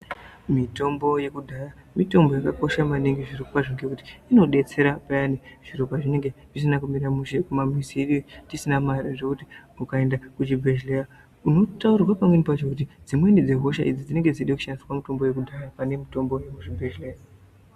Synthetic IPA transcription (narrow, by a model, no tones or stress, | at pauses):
mito̞mbo̞je̞kudʱaja | mito̞mbo̞jakako̞ʃamaniŋɡiʐirikupaʐiŋɡekuti̥ino̞ɗe̞t͡se̞ɾapajaniʐ̥iɾopaʐine̞ŋɡe̞ʐis̬inakumiɾamuʃe̞kumamisiɗtisinamaraʐekutiukae̞ndakut͡ʃibʱeʒleja | uno̞taurwapamwenipat͡ʃo̞kut̬id͡zimwe̞nid͡ze̞ɦo̞ʃa̰ʔid͡zid͡zine̞ŋɡe̞d͡ziɗiku̥ʃaniskwamito̞mbo̞je̞kudʱajapane̞mito̞mbo̞jekut͡ʃibʱeʒleja